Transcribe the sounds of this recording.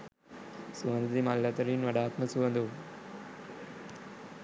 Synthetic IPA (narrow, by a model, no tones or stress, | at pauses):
suʋɐnd̪d̪imalːɐt̪ɐɾiːnʋɐɖaːt̪mɐsuʋɐnd̪u